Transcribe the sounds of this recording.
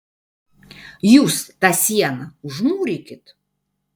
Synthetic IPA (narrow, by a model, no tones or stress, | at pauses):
just̪asʲjanauʐmuɾʲikʲɪt̪ʰ